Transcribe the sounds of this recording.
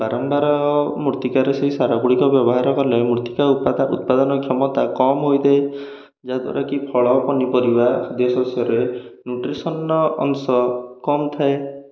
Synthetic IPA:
baɾɔmbaɾɔmuɾt̪ikaɾeseɦisaɾabuɽikɔbjɔbɔɦaɾɔkɔlemuɾt̪ikaupaṵt̪̚pad̪ɔnɔkʰjɔmɔt̪akɔmɦojd̪ee | d͡ʒad̪wa̰ɾʔakipʰɔɭɔpɔnipɔɾibad̪ɔsɔsjɔɾenjuʈɾisɔnɔɔ̰ŋsɔkɔmt̪ʰae

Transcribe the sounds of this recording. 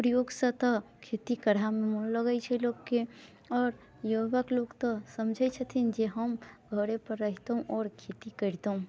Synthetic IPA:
pɾəjoːɡsət̪əkʰet̪ikəɾamemulləɡət͡ʃʰɛloːɡke | ɔːɾ | joʋəkloɡt̪ɔsəmd͡ʒʱɛt͡ʃʰət̪ʰind͡ʒeɦəmɡʱəɾepəɾːəɦit̪ɦũʔɔːɾkʰet̪ikəɾt̪ɦũ

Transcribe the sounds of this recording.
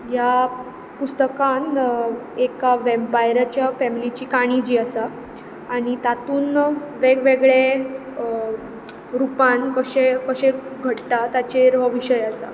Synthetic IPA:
ja | pust̪əkan | ekaʋempajɾat͡ɕjafɛmilit͡ɕiːkaɽ̃id͡ʑiːasaː | ɽ̃it̪at̪uːnʋeɡʋeɡɭe | ɾupankəɕekəɕẽɡʱəʈt̪at̪at͡ɕeɾʋəʋiɕəjasa̰

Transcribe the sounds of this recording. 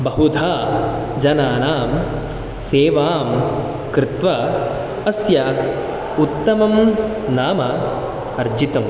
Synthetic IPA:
bɐɦud̪ʱaː | d͡ʒɐnaːnaːm | seːʋaːm | kɾɪt̪ʋɐ | ɐsjɐ | ut̪ːɐmɐm | naːmɐ | ɐɾd͡ʒit̪ɐm

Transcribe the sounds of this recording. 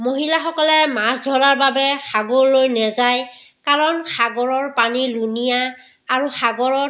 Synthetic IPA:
moɦilaxɔkɔlɛmasdʱɔɹaɹbabɛxaɡoɹlojnɛzaj | kaɹɔnxaɡɔɹɔɹpanilunijaː | ɹuxaɡɔɹɔ

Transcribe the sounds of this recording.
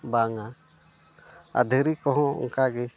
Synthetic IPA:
baŋa | a̰d̪ʱəɾikɔɦɔ̰̃ŋkaɡɛ

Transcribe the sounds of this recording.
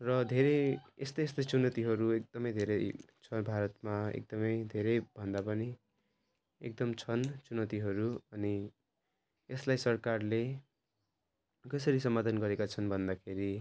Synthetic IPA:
rʌd̪ʱeɾeest̪ʌest̪ʌjt͡sunʌt̪iɦʌɾuek̚d̪ʌmʌjd̪ʱeɾet͡sʰʌbʱaɾʌt̪maḛk̚d̪ʌmʌjd̪ʱeɾʌjbʱʌnd̪apʌni | ek̚d̪ʌmt͡sʰʌnt͡sunʌt̪iɦʌɾuʌni | eslajsʌrkarle | kʌsʌɾisʌmːad̪ʱʌnɡʌɾekat͡sʰʌnbʱʌnd̪akʰeɾi

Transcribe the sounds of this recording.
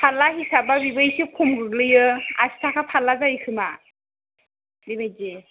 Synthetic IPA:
pʰalːaɦisababibɯjsikʰumɡɯɡlɯjɯa̰si̥tʰakʰapʰalːazajkʰɯma | dibajze

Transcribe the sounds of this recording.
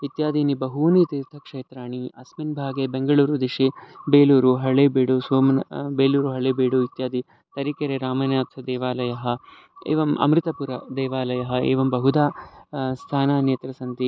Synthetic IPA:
it̪jaːd̪ʱiːnibɐɦuːnit̪iɾt̪ʰɐkʂeːt̪ɾaːɳiɐsminbʱaːɡeːbeŋɡɐɭuːɾud̪iʂibeːluːɾuɦɐɭeːbeːɽusʋoːmnɐbeːluːɾuɦɐɭeːbeːɽuit̪jaːd̪i | t̪ɐɾikɐɾeɾaːmɐnjaːt̪ʰɐd̪eːʋaːlɐjɐɦɐ̆ | ḛːʋɐmɐ̰mɾɪt̪ɐpuɾɐd̪eːʋaːlɐjɐɦɐḛːʋɐmbɐɦud̪aːst̪ʰaːnaːnjet̪ɾɐsɐnt̪i

